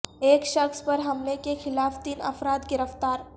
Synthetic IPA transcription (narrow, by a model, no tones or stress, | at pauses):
eːkʃəxspəɾɦɐmlekexɪlaːft̪iːnɐ̰fɾaːt̪ɡɪɾəft̪aːɾ